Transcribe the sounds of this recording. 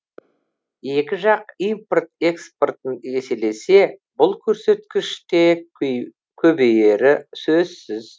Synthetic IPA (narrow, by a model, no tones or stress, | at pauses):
e̞kʲɪʒɑq̚ijmport̪e̞ksport̪əne̞se̞le̞se̞bʊlˠkʲʰɵɾse̞t̪kʲɪʃt̪e̞ | kʲʰɵbe̞je̞ɾɪsɵzsɪz